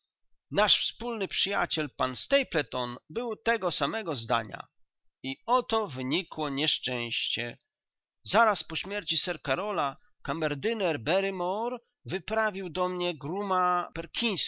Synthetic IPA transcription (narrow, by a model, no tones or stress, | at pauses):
naʂfspulnɘpʂɘja̰t͡ɕɛlpanst̪ɛjplɛt̪ɔnbɘwt̪ɛɡɔsamɛɡɔzd̪a̰ɲa̰ | iɔt̪ɔvɘɲikwɔɲɛʂt͡ʂɛ̃w̃ɕt͡ɕɛ | zaɾaspɔɕmʲjɛɾt͡ɕisɛɾkaɾɔla | kamɛɾd̪ɘnɛɾbɛɾɘmɔɾ | vɘpɾavʲiwd̪ɔmɲɛɡɾumapɛɾkʲĩj̃s